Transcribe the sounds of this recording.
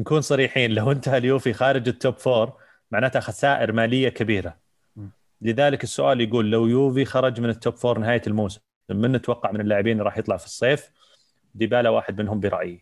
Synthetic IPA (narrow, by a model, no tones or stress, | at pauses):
nakuːnsˤɑɾiːħiːnlawʔɪnt̪aaljuːfixɑːɾɪd͡ʒɪt̪ːoːpfoːɾˤ | maʕnaːt̪haxasaːʔɪɾmaːlɪjːakabiːɾa | lɪðaːlɪkɪsːʊʔaːljaɡuːlːawjuːvixɑɾˤɑd͡ʒmɪnɪt̪ːoːpfoːɾˤnɪɦaːjlmuːsɪm | mɪnːɪt̪wɑqːɑʕmɪnɪlːaːʕɪbiːnɾˤɑːħjɨt̪ˤlɑʕfi̥sˤːeːf | d̪iːbaːlawaːħɪd̪mɪnɦʊmbiɾˤɑ̰ʔji